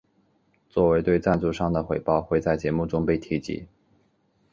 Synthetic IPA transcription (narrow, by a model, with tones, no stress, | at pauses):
t͡swɔ˥˩we˧˥ɪt̪we˥˧ɪt͡sa˥˧nt͡su˥˧ʂɑ˥˩ŋd̪ə˩xwe˨˩ɪpɑ˥˧ʊxwe˥˧t͡sa˥˩ɪt͡ɕjɛ˧˥mu˥˩ʈ͡ʂʊ˥ŋpe˥˩ɪt̪ʰi˧˥t͡ɕḭ˧˥